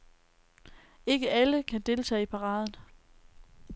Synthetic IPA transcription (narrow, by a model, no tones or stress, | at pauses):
e̝ɡ̥əʔæləkʰæd̥e̝lt͡sʰɛ̰ːipʰɑ̈ʁɑ̈ːðˠən̩